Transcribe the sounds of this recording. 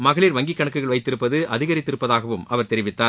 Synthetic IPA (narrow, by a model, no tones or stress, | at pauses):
mɐɣɐɭiːɾʋɐŋɡikːɐɳɐkːɯɣɐɭʋɐɪt̪ːɪɾɯpːɐðɯʔɐðɪɣɐɾɪt̪ːɪɾɯpːɐðaːɣɐʋɯmɐʋɐɾt̪ɛɾɪʋɪt̪ːaːɾ